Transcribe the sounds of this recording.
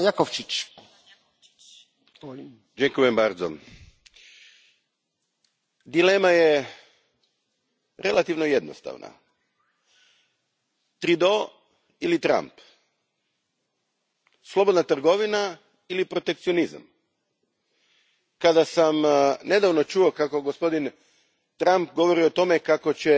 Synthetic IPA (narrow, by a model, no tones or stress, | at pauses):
jakoʋt͡ʃit͡ʃ | d͡ʒekujembaɾd̪zo̰ | d̪ilemaje | ɾe̞lˠat̪iʋnoje̞d̪nost̪a̰ʋna̰ | t̪ɾid̪o | ilit̪ɾa̰mp | slˠo̞bod̪nat̪r̩ɡo̞ʋina | ilipɾot̪e̞kt̪sijo̞niza̰m | kad̪asamne̞d̪aʋno̞t͡ʃuo̞kako̞ɡospo̞d̪in | t̪ɾamp̚ɡo̞ʋo̞ɾiot̪o̞me̞kako̞t͡ɕe